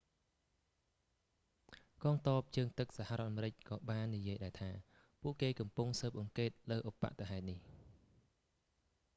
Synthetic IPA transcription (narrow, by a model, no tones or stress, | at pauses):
kɑːŋt̪ɑəp̚t͡ɕəəŋt̪ɨk̚saɦharoɔ̆ət̪ʔamɾɨc̚kɑːɓaːnːijiəjɗaɛlt̪ʰaː | puəʔkeːkɑmpuŋsəːp̚ʔɑŋkeːt̪̚ləːʔopːa̰ʔt̪aɦaɛt̪̚nih